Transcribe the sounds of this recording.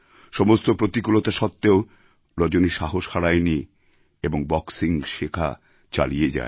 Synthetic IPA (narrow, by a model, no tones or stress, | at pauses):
ʃɔmost̪opɾot̪ikulot̪aʃɔt̪ːeo | ɾɔd͡ʑoniʃaɦoʃhaɾajni | eboŋbɔksiŋʃekʰa̰ | t͡ɕa̰lied͡ʑa̰e